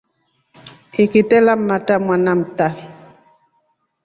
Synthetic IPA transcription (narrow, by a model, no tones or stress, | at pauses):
ikitɛlamːatamwanamta